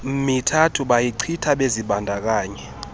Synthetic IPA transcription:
mitʰatʰuɓajiǀʰitʰaɓeziɓandʱak̬aːɲɛ

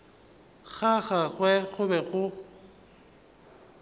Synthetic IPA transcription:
ɣaɣaɣwɛɣʊbɛɣʊ

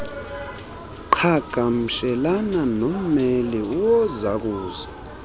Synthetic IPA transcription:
ǃʰaɡ̥ʱam̩ʃɛlananom̩mɛliuwɔzak̬uːza

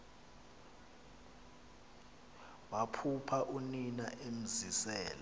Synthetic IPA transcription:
wapʰupʰaʔuninaʔem̩zisɛːla

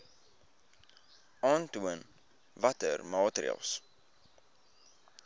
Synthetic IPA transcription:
ɑːntuən | vɐtə̰rmɑːtɾḭə̰lˠs

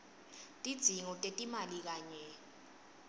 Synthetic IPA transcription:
tʼid̥z̥ʱiŋɔtʼetʼimalik̬aːɲɛ

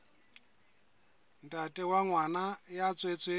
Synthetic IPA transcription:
n̩tʼatʼɛwaŋwanajat͡sʼwet͡sʼwe

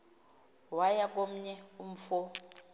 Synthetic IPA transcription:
wajak̬ʼom̩ɲɛum̩fo

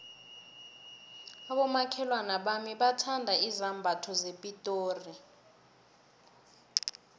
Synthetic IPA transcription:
aɓɔmakʰɛlwanaɓamiɓatʰandʱaizambʱatʰɔzepʼitʼoːri

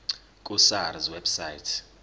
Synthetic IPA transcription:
kʼusaɾizwɛbsaitʰ

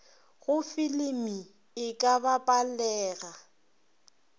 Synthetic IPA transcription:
ɣʊfɪlɪmi | ɪkʼabapʼalɛːɣa

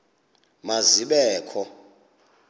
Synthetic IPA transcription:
maziɓɛːkʰɔ

